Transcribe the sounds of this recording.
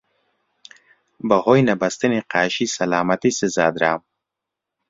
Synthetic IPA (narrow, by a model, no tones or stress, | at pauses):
bɐhojnɐbɐst̪iniqaːʃisɐlaːmat̪isezaːd̪ɾaːm